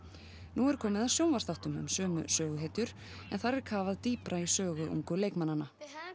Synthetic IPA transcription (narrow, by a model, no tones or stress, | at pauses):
nuɛɾ̥kʰɔːmɪðasjoːwnvaɾ̥sθaht̪ʏmʏ̰msœːmʏ̰sœːɣʏɦeːt̪ʏɾ̥ | ɛ̰nθaɾɛɾ̥kʰaːvaðt̪iːpɾaisœːɣʏʔṵŋkʏleːjkmananːa